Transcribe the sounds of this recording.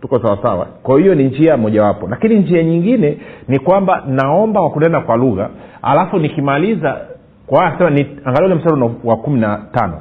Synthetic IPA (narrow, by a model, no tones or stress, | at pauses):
tukɔsawasawa̰kwaɔhijɔniɲd͡ʒiamɔʄawapɔlakiniɲd͡ʒiaɲiŋɡinɛnikwambanaɔmbawakunɛnakwaluɣa̰a̰lafunikimaliza | kwawajaksɛmaniaŋɡaliulɛm̩saɾunawakuminatanɔ̰